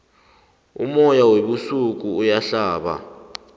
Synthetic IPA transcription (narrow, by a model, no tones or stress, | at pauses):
ṵmɔjaweɓusuk̬uːjaɬaːɓa̰